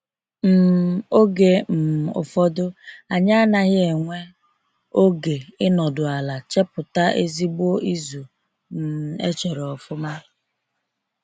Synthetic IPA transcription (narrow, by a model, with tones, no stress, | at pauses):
m̩˨o˦ɡe˨m̩˨ʊ̰˨fɔ˦dʊ˦a˨ɲa˦a˦na˦ɣɪ˦e˨ŋʷe˦ | o˦ɡe˨ɪ˦nɔ˨dʊ˨a˨la˨t͡ʃe˦pʊ˨ta˦ʔe˦zi˦ɡ͡bo˦i˦zu˨ | m̩˨ḛ˦t͡ʃe˨ɾɔ˨ɔ˨fʊ˦ma˦